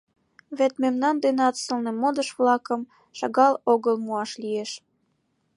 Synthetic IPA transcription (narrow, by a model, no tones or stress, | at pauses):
βet̪memnɑnd̪enɑt̪səlnemod̪əʃβlɑkəm | ʃɑɣɑloɣəlmuɑʃlieʃ